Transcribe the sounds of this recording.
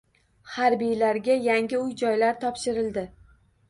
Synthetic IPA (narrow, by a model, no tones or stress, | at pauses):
haɾbijlaɾɡʲajaŋɡʲɪʊjd͡ʒɒjlaɾt̪ʰɒpʃɪɾɪld̪ɪ